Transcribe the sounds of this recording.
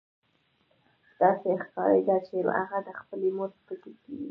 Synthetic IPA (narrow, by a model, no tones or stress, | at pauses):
d̪̥ɑsexkɑɾə̰jd̪ɑt͡ʃema̰ɣad̪əxpəlemoɾpəkekiwi